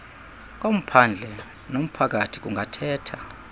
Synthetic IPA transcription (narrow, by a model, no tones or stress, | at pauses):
k̬ʼom̩pʰand͡ɮʱɛ | nom̩pʰak̬ʼatʰi̥k̬ʼuŋʱatʰɛːtʰa